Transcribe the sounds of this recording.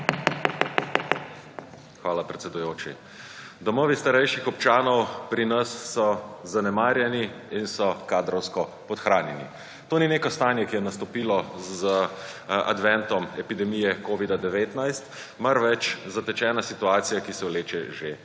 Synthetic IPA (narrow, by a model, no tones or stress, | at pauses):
xʋaːlapɾɛt̪sɛd̪ujoːt͡ʃḭ | d̪ɔmɔːʋist̪aɾɛjʃixɔp̚t͡ʃaːnɔwpɾinasːɔzanɛmaːɾjɛniinsɔkaːd̪ɾɔwskɔpɔt̪xɾaːnjɛnḭ | t̪oːnineːkɔst̪aːnjɛkijɛnast̪ɔpiːlɔz | a̰d̪ʋɛnt̪ɔmɛpid̪ɛmijɛkoːʋid̪ad̪ɛʋeːt̪najst̪ | maɾʋɛt͡ʃzat̪ɛt͡ʃɛːnasit̪uaːt̪sijakisɛwleːt͡ʃɛʒe